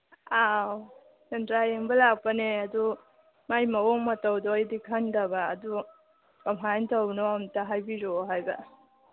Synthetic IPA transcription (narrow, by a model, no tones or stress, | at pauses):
aw | d͡ʒentɾajeŋbɐlak̚pɐneɐdu | majmɐwɔŋmɐtawdɔːjdikʰaŋdaba̰ːdu | kɐmɦajntʰawnɔamtaɦajbiɾoɦajbɐ